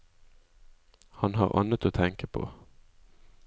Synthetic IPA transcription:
hɑnɦɑ̰ːʁʔɑ̰nət̪oːt̪ʰɛŋkəpʰo̰ː

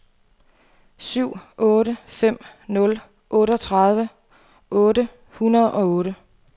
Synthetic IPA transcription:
syʊ̰ɔːɾəfem̰nɔ̽l | ʔɔ̽ːɾəɒ̽t͡sʰʁɑ̈ð̞ˠʋə | ʔɔ̽ːɾə | hunɐðˠɒ̽ɔ̽ːɾə

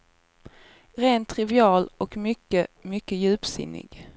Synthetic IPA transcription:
ɾeːnt̪ʰːɾɪvɪɑːlɔkmʏkːəmʏkːəjʉ̟ːpsɪ̰nːɪ̰ɡ

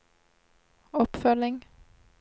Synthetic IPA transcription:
ɔpfœlɪŋ

